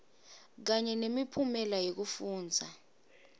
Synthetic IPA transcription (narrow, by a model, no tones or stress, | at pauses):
k̬aɲɛnemipʰumɛlajok̬ufuːnd͡zʱa